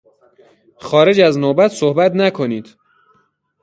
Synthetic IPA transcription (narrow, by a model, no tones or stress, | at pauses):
xɒːɾe̞d͡ʒæznoːbæt̪sohbæt̪nækʰo̞niːd̪̥